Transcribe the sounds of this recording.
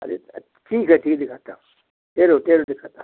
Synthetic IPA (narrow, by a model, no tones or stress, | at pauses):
ɐ̰ɾḛ | ʈʰiːkɦɛʈʰiːkd̪ɪkʰaːt̪a | ʈeːɾoʈ̪eːɾod̪ɪkʰaːt̪a